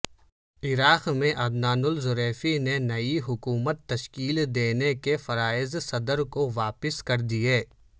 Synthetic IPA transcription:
ɪɾaːqmẽʔɐd̪naːnʊlzʊɾeːfinenɐiɦʊkuːmət̪ːɐʃkiːld̪eːnekefɐɾaːɪzsɐd̪əɾkoʋaːpɪskɐɾd̪ieː

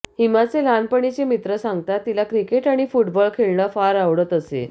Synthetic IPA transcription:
himat͡selanpəɳit͡ɕemit̪ɾəsãŋɡ̚t̪at̪ːilakɾikeʈaɽ̃ifuʈbəɭkʰeɭɳəfaɾaʋɽət̪əsḛ

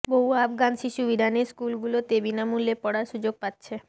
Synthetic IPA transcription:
boɦuabɡanʃiʃubid̪ʱaneɾskulɡulot̪ebinamulːepɔɽaɾʃud͡ʑoɡ̚pat̪ːɕʰe

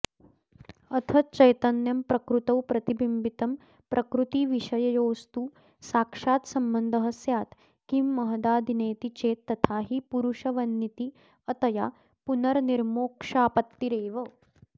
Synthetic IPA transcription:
ɐt̪ʰɐt͡ʃɐjt̪ɐnjɐmpɾɐkɾut̪ɐwpɾɐt̪ibimbit̪ɐm | pɾʔɐkɾut̪iːʋiʂɐjɐjoːst̪uː | saːkʂaːt̪sɐmbənd̪ʱɐɦɐsjaːt̪ | kimːɐɦd̪aːd̪ʱineːt̪it͡ʃeːt̪ːɐt̪ʰaːɦipuɾuʂɐʋɐnːit̪i | ɐt̪ɐja̰ | punɐɾniɾmoːkʂaːpɐt̪ːiɾeːʋə

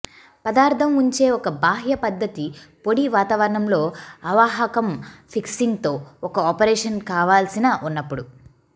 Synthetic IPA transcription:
pɐd̪aːɾt̪ɐmuɲt͡ʃe̞ːɔkɐbaːɦjɐpɐd̪ʱːɐt̪ipo̞ɽiʋaːt̪aːʋɐɾɐɳɐmlo̞ːɐʋaːɦɐkɐmpʰiksiŋɡt̪o̞ːɔkɐɔːpɐɾɛːʂɐnkaːʋaːlsinɐʔunːɐpːuɽu

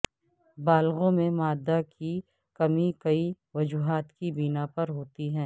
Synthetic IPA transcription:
baːlɣõmẽmaːd̪ːakʰi | kɐmikɐi | ʋɐd͡ʒuːɦaːt̪kibinapɐɾɦoːt̪iɦɛ̃ː

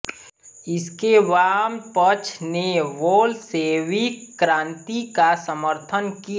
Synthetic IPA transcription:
ɪskeʋaːmpət͡ʃʰneʋoːlseːʋikɾãːnt̪ikasəməɾt̪ʰənki

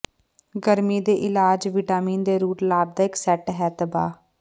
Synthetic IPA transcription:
ɡəɾmiːd̪eːʔɪlaːd͡ʒʋiʈaːmiːnd̪eːɾuːʈlaːb̚d̪aːɪksɛːʈɦɛːt̪əba̰ː

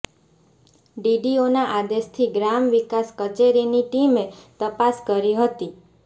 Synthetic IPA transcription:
ɖiɖionaʔad̪eʃt̪ʰiɡɾamʋikaskət͡ʃeɾiniʈimet̪əpaskəɾiɦət̪i

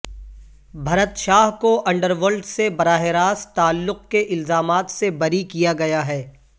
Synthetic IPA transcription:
bʱɐɾət̪ʃaːɦkoʔɐ̃ɳɖəɾʋoːlɖsebɐɾaːɦɪɾaːst̪aːlːʊq̚keʔɪlzaːmaːt̪sebɐɾikijaɡɐjaɦɛː

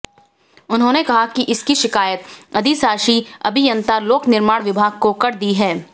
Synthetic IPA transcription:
ʊnɦõːnekɐɦakiʔɪskiʃɪkaːjət̪̚ɐd̪isaːʃiɐ̰bʱijɐ̃nt̪aloːknɪɾmaːɽ̃ʋɪbʱaːɡ̚kokɐɾd̪iɦɛː

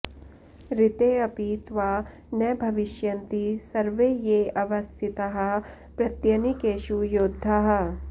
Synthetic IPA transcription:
ɾɪt̪eːɐpiːt̪ʋaː | nɐbʱɐʋɪʃjɐnt̪isɐɾʋejeːɐʋɐst̪ʰɪt̪ɐɦɐ | pɾɐt̪jɐnikeːʃujoːd̪ʱːaɦɐ̆

